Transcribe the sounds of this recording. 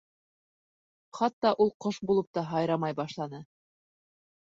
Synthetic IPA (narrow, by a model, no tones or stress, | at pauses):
χɑt̪ːɑʔulˠqoʃbulˠɤp̚t̪ɑɦɑjɾɑmɑjbɑʃlˠɑnɤ